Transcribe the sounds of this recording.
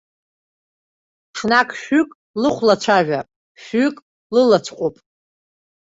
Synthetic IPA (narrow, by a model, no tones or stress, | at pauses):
ʈ͡ʂʰnakʰʃᶣʏkʼ | lɨχʷlat͡ʃʷʰaʒᶣa | ʃykʼ | lɨlat͡sʷʰqʷʼopʼ